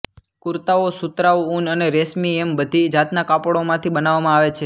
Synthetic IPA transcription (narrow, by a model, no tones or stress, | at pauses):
kuɾt̪aosut̪ɾaʋunəneɾesmiembəd̪ʱid͡ʒat̪nakapɽomãt̪ʰibənaʋamãaʋet͡ʃʰe